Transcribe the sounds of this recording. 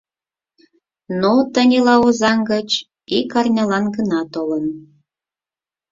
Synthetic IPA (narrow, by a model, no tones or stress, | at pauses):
not̪ə̆nʲelɑozɑŋɡət͡ɕ | ikɑrnʲɑlɑnɡənɑt̪olən